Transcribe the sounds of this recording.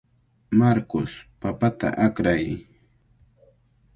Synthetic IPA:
maɾkʊspapat̪a̰ʔakɾaj

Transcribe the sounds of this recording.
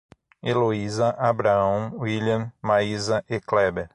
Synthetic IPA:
eloizɐʔabɾaɐ̃w̃wiljɐ̃maizɐʔeklɛbeɾ

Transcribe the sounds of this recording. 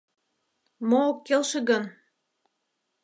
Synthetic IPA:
mookːelʃĕɣən

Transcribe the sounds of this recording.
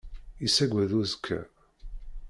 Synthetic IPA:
isæɡʷæðuzkʰːæ̰

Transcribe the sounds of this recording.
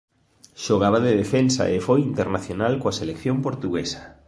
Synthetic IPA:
ʃoɣ̞aβ̞aðeðefensa̰ʔefojint̪eɾnaθjonalkoaselekθjompoɾt̪uɣesɐ̥

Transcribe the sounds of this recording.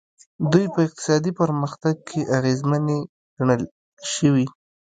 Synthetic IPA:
d̪ujpəɪq̚t̪ɪ̥sɑd̪ipəɾməxt̪aɡ̚kʰeʔaɣezməne | ɡ̥aɳəl | ʃəwi

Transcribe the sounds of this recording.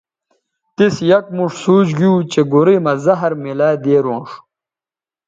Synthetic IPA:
t̪isjɐk̚muʂsuːt͡ɕɡiuːt͡ɕeɡuɾimɐzɐɦɐɾmilaːd̪eːɾoːnʂ

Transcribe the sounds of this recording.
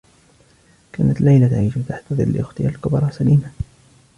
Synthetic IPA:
kaːnat̪lajlat̪aʕiːʃt̪aħt̪ːɑðˤɨ̰lːɪ̰ʔʊxt̪ɪjalkʊbɾˤɑsaliːma

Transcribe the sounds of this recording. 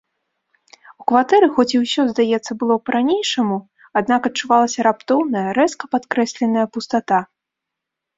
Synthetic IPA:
ukvat̪ɛɾɨxɔt͡sʲiwsʲɔzd̪ajɛt̪sːɐbɨlˠɔpɐɾʔanʲejʂɐmu | ad̪̚nakɐt̚t͡ʂuvalˠɐsʲɐɾapt̪ɔwnɐjɐɾɛskɐpat̪kɾɛsʲlʲɛnɐjɐpust̪at̪a

